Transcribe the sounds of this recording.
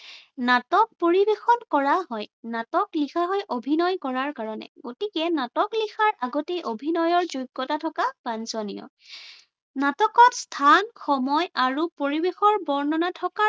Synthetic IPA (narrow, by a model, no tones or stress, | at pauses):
natɔk̚poɹibexɔnkɔɹaɦɔjnatɔklixʰaɦɔjʔobʱinɔjkɔɹaɹkaɹɔnɛ̰ɡotikɛnatɔklixʰaɹʔaɡɔtejʔobʱinɔjɔɹzujɡːɔtatʰɔkapanzɔnijɔ̰ | natɔkɔtstʰanxɔmɔjaɹupoɹibexɔɹbɔɹnɔnatʰɔka